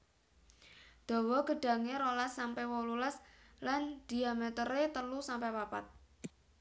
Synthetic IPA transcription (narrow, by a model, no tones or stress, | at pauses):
d̪̥o̤wɔɡ̥ə̤ɖ̥a̤ŋeɾolasːampewɔlulasland̪̥i̤amet̪əɾet̪əlusampepapa̰t̪̚